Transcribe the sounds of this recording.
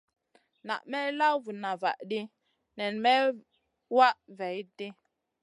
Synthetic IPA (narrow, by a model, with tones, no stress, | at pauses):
na̰˨ʔmɛ˦la˦vu˨na˨va̰˨ʔɗi˦ | nɛ˨nmɛ˦ | wa˦ʔvɛ˨jde˦